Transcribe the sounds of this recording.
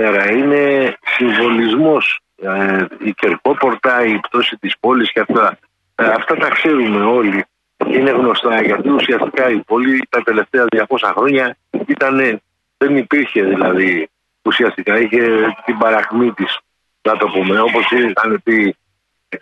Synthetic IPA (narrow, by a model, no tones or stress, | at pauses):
eɾɐine̞siɱvo̞lizmo̞s | ice̞ɾko̞po̞ɾt̪ɐipt̪o̞sit̪ispo̞lisceɐft̪ɐ | ɐft̪ɐt̪ɐkse̞ɾume̞o̞li | ceine̞ɣno̞st̪ɐʝɐt̪iusiɐst̪ikɐipo̞lit̪ɐt̪e̞le̞ft̪e̞ɐðʝɐko̞sɐxɾo̞ɲɐ | it̪ɐne̞ | ðe̞nipiɾçe̞ðilɐði | usiɐst̪ikɐiçe̞t̪ibɐɾɐɣmit̪is | nɐt̪o̞pume̞o̞po̞sixɐne̞pi